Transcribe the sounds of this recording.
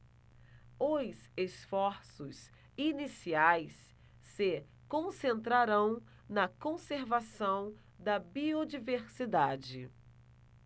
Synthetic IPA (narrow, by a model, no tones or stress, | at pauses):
ojsesfɔɾsʊs | inisiajsː | ɪ | kõsẽnt̪ɾaɾɐ̃w̃ | nɐkõseɾvasɐ̃w̃ | d̪ɐbiod͡ʒiveɾsid̪ad͡ʒɪ